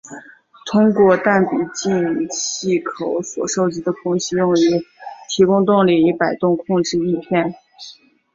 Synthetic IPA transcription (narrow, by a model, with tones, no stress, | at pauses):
t̪ʰʊ˥ŋkwɔ˥˧t̪a˥˩npi˨˩t͡ɕi˥˧nɕi˥˩kʰo˨˧˩ʊswɔ̰˨˩ʂo˥˧ʊt͡ɕi˧˥d̪ə˧kʰʊ˥ŋɕi˥jʊ˥˩ŋy˧˥t̪ʰi˧˥kʊ˥ŋt̪ʊ˥˧ŋli˥˩i˧˥pa˨˩ɪt̪ʊ˥˧ŋkʰʊ˥˧ŋʈ͡ʂɻ̩˥˧i˥˧p̪ʰjɛ˥˩n